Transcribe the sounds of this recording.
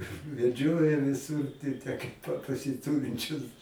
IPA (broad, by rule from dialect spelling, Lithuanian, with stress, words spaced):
ʋʲɛˈd͡ʒʲoːjɛ ʋʲɪˈsʊr tʲɪ tʲæː kɐɪp ˈpɐ pɐsʲɪˈtʊrʲɪnʲt͡ʃʲʊs